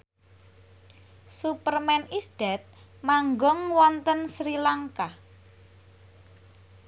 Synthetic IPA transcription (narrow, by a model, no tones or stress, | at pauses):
supərmɛnisd̥ɛt̪̚ | maŋɡɔŋwɔnt̪ənsɾilaŋka